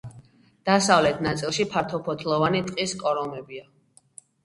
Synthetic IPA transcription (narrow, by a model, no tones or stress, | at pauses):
d̪̥asavlɛt̪ʰnat̪sʼilˠʃipʰaɾt̪ʰɔpʰɔt̪ʰlˠɔvanit̪ʼqʼiskʼɔɾɔmɛbia